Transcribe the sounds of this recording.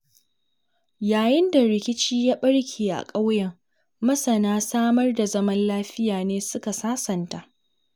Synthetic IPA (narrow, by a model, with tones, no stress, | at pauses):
jaː˨jɪ˦nda˨ɾɪ˨kʲɪ˦t͡ʃiː˦jaː˦ɓɐ˦ɽkʲʰeː˨ʔa̰˨kʼa˦wjɛ˨ŋ | mɐ˦sɐ˨naː˦saː˦mɐ˦rda˨zɐ˦mɐ˦nlaː˦ɸɪ˦jaː˨neː˦sʊ˦ka˨saː˦sɐ˨nta˨ʔ